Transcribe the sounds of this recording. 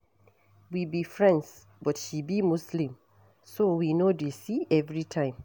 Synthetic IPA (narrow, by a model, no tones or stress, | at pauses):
wibifɹɛ̃nds | bɔtʃibimuslĩm | sowinodesiɛvɹitʰãɪ̃m